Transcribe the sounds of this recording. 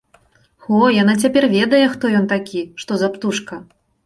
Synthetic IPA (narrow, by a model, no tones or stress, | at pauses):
xɔjanat͡sʲapʲɛrvʲɛd̪ɐjɛxt̪ɔjɔnt̪akʲʰiʂt̪ɔzapt̪uʂkɐ